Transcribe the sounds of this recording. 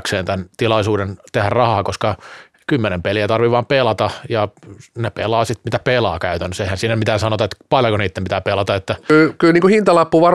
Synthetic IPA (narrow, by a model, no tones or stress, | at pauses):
kseːnt̪ænt̪ilɑisuːdent̪ehærrɑhɑːkoskɑ | kymːenempeliæt̪ɑrʋiʋɑmpelɑt̪ɑjɑnepelˑɑːsit̪mit̪æpelɑ̰ːkæyt̪ænːøseihænsiːnæmit̪æːsɑnot̪ɑet̪pɑljokoniːt̪ːempit̪æːpelɑt̪ɑet̪ːælkylniːŋkuhint̪ɑlɑpːuʋɑr